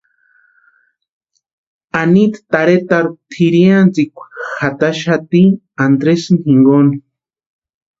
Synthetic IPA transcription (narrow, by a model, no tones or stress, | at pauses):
anit̪t̪aɾet̪aɾut̪ʰiɾiant͡sikʷxat̪aʃat̪i | and̪ɾesnxiŋɡoni